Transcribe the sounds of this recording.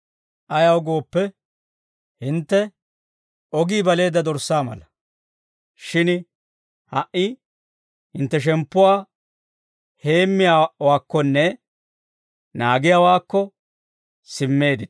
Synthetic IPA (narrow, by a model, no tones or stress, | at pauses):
ʔɐjɐwɡo̞ːpːɛ | hɪnt̪ːɛ | ʔɔɡiːbɐle̞ːd̪ːɐd̪ɔɾsːaːmɐ̰lɐ | ʃɪn | hɐʔɪ | hɪnt̪ːɛʃ̬ɛmpːʊwaː | he̞ːmːɪjawaːkːɔnːɛ | naːɡɪjaːwaːkːɔ | sɪmːe̞ːd̪ɪ